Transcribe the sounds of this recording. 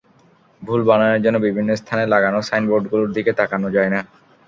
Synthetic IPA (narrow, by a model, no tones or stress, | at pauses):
bʱulbanaeɾd͡ʑonːobibʱinːost̪ʰanelaɡanosajnboɾɖɡuloɾd̪ʱiket̪akanod͡ʑaena